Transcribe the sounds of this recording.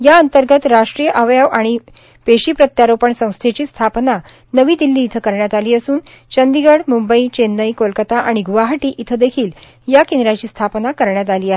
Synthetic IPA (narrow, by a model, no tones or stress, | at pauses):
jaənt̪əɾɡət̪ɾaʂʈɾijəʔəʋjaʋaɽ̃i | peɕiːpɾət̪jaɾopəɳsə̃w̃st̪ʰet͡ɕiːst̪ʰapna | nəʋiːd̪ilːiːt̪ʰəkəɾɳjat̪aliːəsuːn | t͡ɕənd̪iɡəɽmumbəit͡ɕenːəjkolkət̪aʔaɽ̃iɡuʋaɦaʈiːʔit̪ʰəd̪ekʰiːl | jakend̪ɾat͡ɕiːst̪ʰapnakəɾɳjat̪aliːaɦ